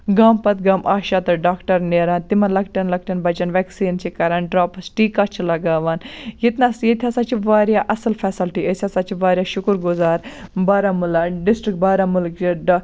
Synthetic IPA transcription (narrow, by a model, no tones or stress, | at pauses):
ɡaːmpɐt̪ɡaːmʔaːʃat̪ɐɖaːkʈɐɾneːɾaːnt̪imɐlɐkʈɐnlɐkʈɐnbɐt͡ʃɐnʋɛksiːnt͡ʃʰikɐɾaːnɖɾaːpɐsʈiːkat͡ʃʰilɐɡaːʋaːnjit̪naːsjet̪ʰʲasat͡ʃʰiʋaːɾjaːʔɐsɐlpʰɛːsɐlʈiʔɐsʲasaːt͡ʃʰiʋaːɾjaːʃʊkɾɡʊzaːɾbaːɾaːmʊlaɖɪsʈɾik̚baːɾamʊlkt͡ʃiɖ